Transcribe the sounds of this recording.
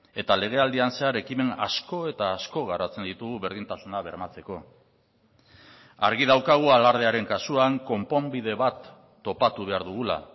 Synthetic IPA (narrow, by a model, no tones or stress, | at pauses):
e̞t̪ale̞ɣ̞e̞ald̪ianse̞aɾe̞kime̞na̰sko̞e̞t̪aːsko̞ɣ̞aɾat͡se̞nd̪it̪uɣuβe̞ɾð̞int̪asunaβe̞ɾmat͡se̞ko̞ | a̰ɾɣið̞awkaɣ̞ualaɾð̞eaɾe̞ŋkasuaŋko̞mpo̞mbið̞e̞βat̪ː | o̞pat̪uβ̞e̞aɾðuɣ̞ula̰